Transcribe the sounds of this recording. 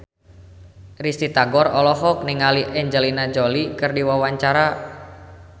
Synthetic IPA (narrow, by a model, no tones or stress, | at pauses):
rist̪it̪aɡɔrɔlɔɦɔk̚niŋaliʔɛɲd͡ʒɛlinad͡ʒɔlikɨrdiwawaɲt͡ʃaɾa